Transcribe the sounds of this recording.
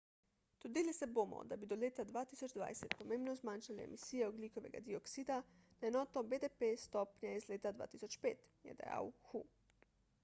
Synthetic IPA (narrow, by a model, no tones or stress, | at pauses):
d̪̥od̪ilisɛbomɔ̰d̪abid̪ɔleːt̪ad̪ʋaːt̪isɔd͡ʒd̪ʋa̰jsɛt̪pɔmeːmbnɔzmanʃaliɛ̰misiːjɛoɡlikɔʋɛ̰ɡa̰d̪iɔksiːd̪anaenɔːt̪ɔbed̪epest̪ɔːpnjaizleːt̪ad̪ʋa̰ːt̪isɔt͡ʃpeːt̪jɛ̰d̪a̰ja̰wxu